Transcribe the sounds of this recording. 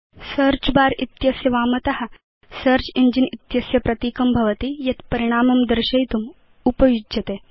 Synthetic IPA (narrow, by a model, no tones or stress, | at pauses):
sɐɾt͡ʃbaːɾit̪jɐsjɐʋaːmɐt̪ɐhɐ | sɐɾt͡ʃiɲd͡ʒinit̪jɐsjɐpɾɐt̪iːkɐmbʱɐʋɐt̪ijɐt̪pɐɾiɽ̃aːmɐmd̪ɐɾɕɐjt̪um | upɐjud͡ʒɐt̪eː